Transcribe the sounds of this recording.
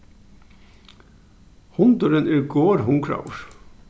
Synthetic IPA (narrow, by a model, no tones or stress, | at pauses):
hʊnt̪ʊɾɪnɛɹɡoːɾɦʊŋkɾa̰wɹ